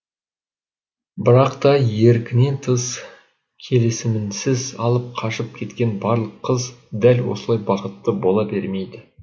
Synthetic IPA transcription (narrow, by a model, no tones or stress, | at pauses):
bɪɾɑqt̪ɑje̞ɾkʲɪne̞nt̪ʰəs | kʲʰe̞lɪsɪmɪnsɪzɑlˠəp̚qʰɑʃəp̚kʲʰe̞t̪kʲe̞nbɑɾlˠəqʰːəzd̪ælwo̞̰səlˠɑjbɑqət̪ːəbo̞lˠɑbe̞ɾme̞jd̪ɪ